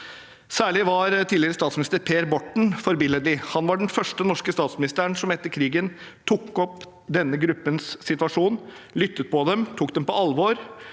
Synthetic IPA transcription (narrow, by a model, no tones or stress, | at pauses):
sæːɭɪʋɑɾt̪ʰiːlɪɾəst̪ɑːt̪smnɪst̪əɾpʰeːɾbɔʈɳ̩fɔɾbɪləd̪lɪhɑnʋɑɖɛnfœʂʈənɔʂkəst̪ɑːt̪smɪnɪst̪əɾəɳsɔmɛt̪ːəɾkʰɾiːɡən | t̪ʰukːɔp | d̪ɛnːəɡɾʉpːənsːɪt̪ʋɑʂuːnlʏt̪ːət̪̚pɔd̪ɛmt̪ʰuːk̚d̪ɛmpɔɑlʋɔɾ